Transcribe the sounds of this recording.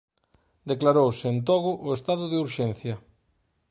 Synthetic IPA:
d̪eklaɾowsɪent̪ɔɣʊʔʊest̪aðʊðeuɾʃenθjɐ

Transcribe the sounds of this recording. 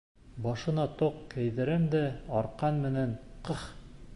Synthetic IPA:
bɒʃɤ̆nɑt̪oqkæjðɘ̆ɾɘmd̪æɒɾqɑnmɘ̆nænqɤχ

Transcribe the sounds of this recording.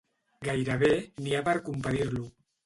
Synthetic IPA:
ɡajɾəβeniapəɾkumpaðiɾlu

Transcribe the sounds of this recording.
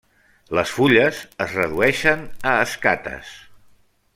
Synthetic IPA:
ləsfuʎəzəzrəðuɛʃənəːskat̪ə̰s

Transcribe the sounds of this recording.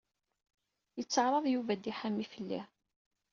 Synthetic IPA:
jət͡sːəʕɾˤɑðˤjuvæd̪iħamːifəlːḭ

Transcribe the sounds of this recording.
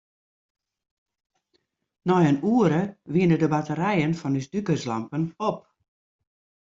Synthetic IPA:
nɔjənuəɾəʋinədəbatəɾɛjənfɔnysdykəsla̰mpənop̚

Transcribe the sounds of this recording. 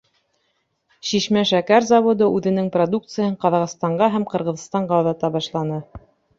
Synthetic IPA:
ɕiʃmæʃækæɾzɑβod̪ɤʔʉðɘ̆nɘŋprod̪uk̚t̪sɨjɤɴqɑðɑʁɤst̪ɑɴɢɑɦæmqɤ̆ɾʁɤ̆ð̆st̪ɑɴʁɑwðɑt̪ɑbɑʃlˠɑnɤ

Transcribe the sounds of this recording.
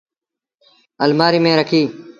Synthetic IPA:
əlmaːɾiːmẽːɾəkʰiː

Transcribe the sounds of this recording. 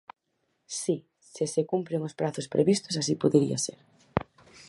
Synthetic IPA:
si | sesekumpɾeŋospɾaθʊspɾʔḛβist̪ʊsas̬ipoðeɾḭasḛɾ

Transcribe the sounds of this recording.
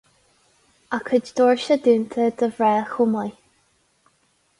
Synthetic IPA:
akʰəd͡ʒd̪ɔɹʃəd̪ʉːnt̪ʰəd̪əvɹɛːxʊmaj

